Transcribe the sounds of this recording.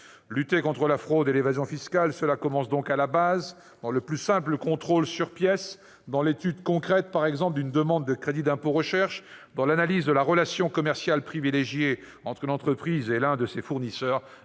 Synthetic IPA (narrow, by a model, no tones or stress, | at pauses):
lyt̪ekɔ̃t̪χəlafχod̪elevazjɔ̃fiskalsəlakɔmɑ̃sd̪ɔ̃kalabaz | d̪̥ɑ̃ləplysɛ̃pləkɔ̃t̪χolsyʁpjɛs | d̪ɑ̃let̪yd̪kɔ̃kχɛt̪̚paʁɛɡzɑ̃pld̪ynd̪əmɑ̃d̪ːəkχed̪id̪ɛ̃poʁəʃɛʁʃ | d̪ɑ̃lanalizd̪əlaʁəlasjɔ̃kɔmɛʁsjalpχivileʒje | ɑ̃t̪χəlɑ̃t̪χəpχizelɛ̃d̪əsefuʁnisœːʁ